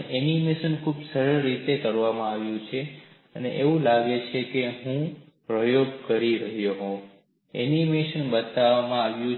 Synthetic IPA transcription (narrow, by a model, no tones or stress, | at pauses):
ʔɛnimeʃənkʰubsəɾəɾit̪ekəɾʋamãaʋjũt͡ʃʰe | ənḛʔeʋũlaɡet͡ʃʰekeɦũ | pɾəjoɡ̚kəɾiɾəɦjoɦõ | ɛ̰nimeʃənbət̪aʋamãaʋjũ